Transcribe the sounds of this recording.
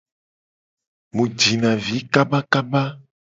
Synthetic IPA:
mũ˨d͡ʒi˨nã˨vi˨˦ka˦ba˦ka˦ba˦

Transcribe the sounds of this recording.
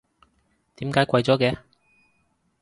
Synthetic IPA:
t̪iː˨˥mkaː˨˥jkʷɐ˧jt͡sɔː˨˥kɛː˨˧

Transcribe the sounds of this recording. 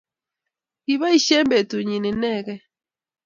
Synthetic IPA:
i˨βa˦i˦˨ʃɛ˦mbe˨tu˨ɲi˨ne˨nɛ˦˨ɣɛ˦

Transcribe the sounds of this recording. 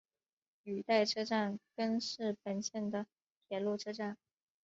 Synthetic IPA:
y˨˩t̪a˥˩ɪʈ͡ʂʰɤ˥ʈ͡ʂa˥˩nkə˥nʂɻ̩˥˩pə˧˩nɕjɛ˥˩nd̪ə˩ | t̪ʰjɛ˧˥nlu˥˩ʈ͡ʂʰɤ˥ʈ͡ʂa˥˩n

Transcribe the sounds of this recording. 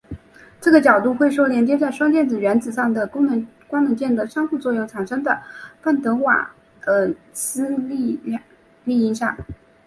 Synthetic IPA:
ʈ͡ʂɤ˥˩ɡə˩t͡ɕjɑ˨˩ʊt̪̬u˥˧xwe˥˩ɪʂwɔ˥ʊljɛ˧˥nt͡ɕjɛ˥t͡sa˥˩ɪʂwɑ˥ŋt͡ɕ̪jɛ˥˩nt͡sɹ̩˨˩ɥɛ˧˥nt͡sɹ̩˨˩ʂɑ˥˩ŋd̪ə˩kʊ˥ŋnɤ˧˥kwa˥ŋnɤ˧˥ŋt͡ɕjɛ˥˩nd̪ə˩ʂɑ˥ŋxu˥˧t͡swɔ˥˧jʊ˥˩ŋʈ͡ʂʰa˨˩nʂɤ˥ŋd̪ə˨fa˥˩nt̪ɤ˧˥wa̰̥˨˩ | ə˧ | sɹ̩˥li˥˧˥ | li˥˩i˥ŋʂɑ̰˥˩ŋ

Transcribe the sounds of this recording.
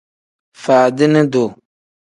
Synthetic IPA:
faː˨dɪ˦nɪ˦do˨

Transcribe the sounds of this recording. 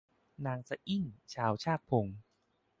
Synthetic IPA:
naː˨˧˦ŋsa˧ʔi˥˩ŋt͡ɕʰaː˩˦˥wt͡ɕʰaː˥˩k̚pʰo˧˦ŋ

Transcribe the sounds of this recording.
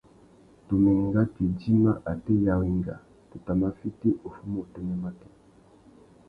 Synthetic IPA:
tu˨mi˨ŋɡa˦ti˨d͡ʒi˦ma˦ʔa˨te˦ja˦wi˦ŋɡa̰˨ | tu˨ta˨ma˦fi˦ti˦ʔo˨fu˦mo˦˨tɛ˦ɲa˦ma˦tɛ̥˦

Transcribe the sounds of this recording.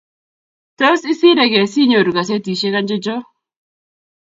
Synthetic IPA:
to˦sɪ˦sɪ˦ɾɛ˨kɛ˨si˦ɲo˨ɾu˨ka˨s̬e˦ti˨ʃe˦ka˦nd͡ʒɪ˦d͡ʒɔ˦

